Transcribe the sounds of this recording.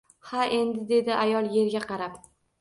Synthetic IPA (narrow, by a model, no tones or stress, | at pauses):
haʔe̞nd̪ɪd̪e̞d̪ɪʔajɒlˠje̞ɾɡʲaqɑɾap